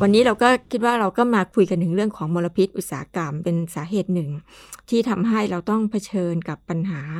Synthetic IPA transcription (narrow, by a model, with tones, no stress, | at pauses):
wa˧nːiː˦˥ɾa˧wkɔː˥˩kʰi˦˥t̪̚waː˥˩ɾa˧wkɔː˥˩maː˧kʰu˧jka˧nt̪ʰɯ˩˦ŋɾɯ˥˩əŋkʰɔː˩˦ŋmoː˧la˧pʰi˦˥t̪̚ʔu˨˩t̪̚saː˨a˦˧ka˧mpe˧nsaː˩˦ɦeː˨˩t̪̚nɯ˨˩ŋ | t̪ʰiː˥˩t̪ʰa˧mɦa˥˩jɾa˧wt̪ɔ˥˩ŋpʰa˧t͡ɕʰɤː˧nka˨˩pːa˧nɦaː˩˦